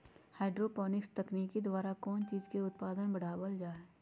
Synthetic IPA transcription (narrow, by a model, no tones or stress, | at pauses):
haːɖɾoːpɔːnɪkst̪ɐkniːkid̪waːɾakɔːnt͡ʃiːzkeʊt̪̚paːd̪ənbɐɽ̤aːwəld͡ʒaːeː